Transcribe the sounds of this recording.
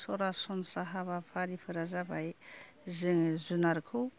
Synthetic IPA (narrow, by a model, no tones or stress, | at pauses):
sɔɾasɔnsaɦaβapʰaɾipʰɯɾazabaj | zɯŋzunaɾkʰɯw